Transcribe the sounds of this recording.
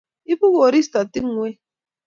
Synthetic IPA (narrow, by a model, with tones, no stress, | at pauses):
i˦bu˦ko˨ɾi˦sta˨ti˦ŋ̩˦ŋʷe˦